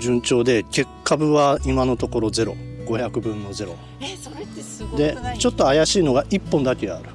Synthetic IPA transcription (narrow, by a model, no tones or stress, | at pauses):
d͡ʑɨ̃ɲ̟t͡ɕo̞ːd̪e̞ke̞kʰːabɯ̟βaimano̞t̪o̞ko̞ɾo̞ze̞ɾo̞̰ɡo̞çʲakɯ̟bɯ̟̃nːo̞zeɾo̞̰ | d̪e̞t͡ɕo̞t̪ːoajaɕiːno̞ɡaʔipːõ̞nd̪akʲeaɾɯ̟